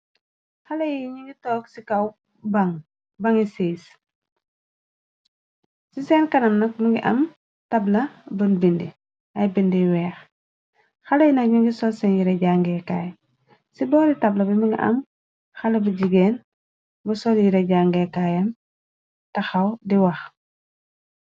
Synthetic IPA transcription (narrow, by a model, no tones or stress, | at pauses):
xɐlɐjiɲiŋɡitɔːksikɐw | baŋ | bɐŋiseːs | sisɛːnkɐnɐmnɐk̚muŋɡiʔɐ̰m | tɐblɐbɐnbindi | ɐjbindiwɛːx | xɐlɐjinɐkɲuŋɡisɔlsɛnjiɾɐɟaŋɡɛkaːj | sibɔːɾitɐblɐbimuŋɡḭʔɐ̰m | xɐlɐbɐɟiɡɛːn | bɐsɔljiɾɐɟaŋɡɛkaːjɐn | tɐxɐwdiwɐx